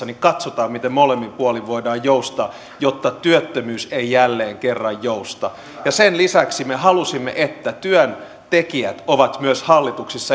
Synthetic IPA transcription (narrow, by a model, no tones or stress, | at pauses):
ɑnikɑt̪sot̪ɑːmmit̪emmolemːimpuoliʋʋoidɑːjjoust̪ɑː | jot̪ːɑt̪yøt̪ːømyːseijælːeːŋkerːɑjjoust̪ɑ̰ | jɑsenlisæksimeɦɑlusimːḛʔet̪ːæt̪yøn | t̪ekiæt̪oʋɑt̪myøshɑlːit̪uksisːɑ